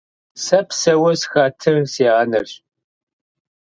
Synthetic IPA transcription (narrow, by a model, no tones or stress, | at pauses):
sɐpʰsɐwɐsxatʰɨrsiaːnɐrɕ